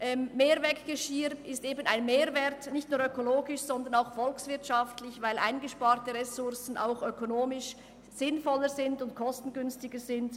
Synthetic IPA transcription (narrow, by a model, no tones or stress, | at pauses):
ʔɛmmeːɾvɛkɡ̥əʃiɾɪsteːbənaɪnmeːɾvɛtnɪçtnuːɐʁøkoloːɡɪʃsɔndəɐnaʊxfɔlksv̥ɪɐtʃaftlɪçvaɪlʔa̰ɪnɡəʃpaːʁtəʁɛsʊʁsn̩ʔa̰ʊxøkʰonoːmɪʃ | z̥ɪnfɔləzɪndʊntkʰɔstn̩ɡʏnstɪɡəzɪnd